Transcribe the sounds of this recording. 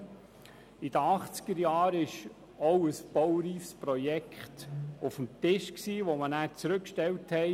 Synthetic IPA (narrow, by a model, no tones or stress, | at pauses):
id̥əɑχt͡sɡ̥əɾjɑːɾɪʃ | ɔwəsb̥ɔwɾiːfspɾɔjɛkχtufəm̩t̪ɪʃksiːʋomənæːɾt͡sɾɵkːʃtɛwthɛɪ